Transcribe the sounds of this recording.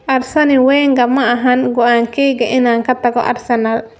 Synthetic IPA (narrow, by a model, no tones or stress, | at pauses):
ʔɐrsɐnɪwɛːŋɡɐmɐɐɦɐnɡɔʔaːŋkʰɛːjɡɐʔɪnaːŋkʰɐt̪ʰɐɡɔ̰ʔɐ̰rsɐnal